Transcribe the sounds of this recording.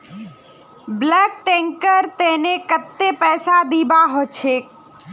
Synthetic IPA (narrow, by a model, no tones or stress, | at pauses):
blək̚ʈẽŋkəɾt̪enekət̪ːepɛːsad̪ibaɦot͡ʃʰek